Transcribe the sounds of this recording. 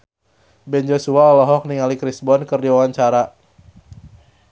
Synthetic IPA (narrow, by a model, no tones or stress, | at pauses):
bɛnd͡ʒosuaɔlɔɦɔk̚niŋalikɾisbɔnkərdiwawaɲt͡ʃaɾa